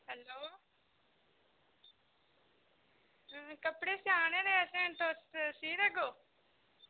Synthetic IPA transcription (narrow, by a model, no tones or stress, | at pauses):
ɦɛːloː | kəpɽeːsɪjaːneːd̪eːɛsẽɳʈossiːd̪ɛɡoː